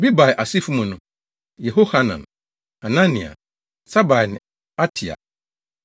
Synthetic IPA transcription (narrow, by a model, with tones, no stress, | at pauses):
bi˦ba˨ɛ˨ʔa˨si˦fu˦mũ˨nʊ̃˨ | jɛ˨ɦo˦ha˦nã̰˨n | hã˨nã˦nĩ˨a̰˨ | sa˦ba˨nɪ̃˨ | a˦tʰi˨a̰˨